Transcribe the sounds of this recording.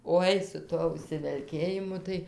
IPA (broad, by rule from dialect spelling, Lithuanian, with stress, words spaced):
ˈoːɪ sʊ ˈtuɔ ʊʃʲsʲɪʋʲɛlʲˈkʲeːjɪmʊ tɐɪ